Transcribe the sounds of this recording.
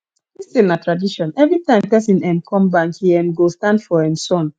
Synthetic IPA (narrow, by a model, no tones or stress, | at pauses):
distẽnatɹadiʃɔ̃nɛvɹitãɪ̃mtɛsĩnɛ̃nkʰɔ̃mbãŋkhiɛ̃nɡostãndfɔɛ̃msɔ̃n